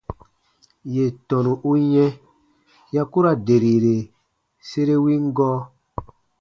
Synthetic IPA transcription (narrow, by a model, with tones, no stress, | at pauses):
je˨tɔ̃˨nũ˨ʔu˦jɛ̃˦ | ja˦ku˦ɾa˨de˨ɾi˨ɾe˨ | se˦ɾe˦wi˦ŋ˦ɡɔː˦